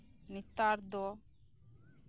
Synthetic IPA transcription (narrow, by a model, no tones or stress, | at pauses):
nit̪ːaɾd̪o